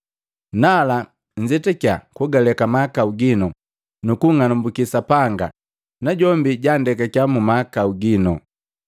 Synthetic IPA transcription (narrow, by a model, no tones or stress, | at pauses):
nala | ɲd͡ʒɛtɛka̰kuɡalɛkamaakauɡinɔ | nukuŋanumbukisapaŋɡa̰ | naɟɔmbiɟandɛkakjamumakauɡinɔ